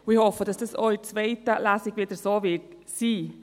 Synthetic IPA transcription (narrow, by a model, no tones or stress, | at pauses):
wihɔfədɑsd̥ɑsɔit͡svɛɪtəlæsiɡvɪdəsoːvɪɹt | siː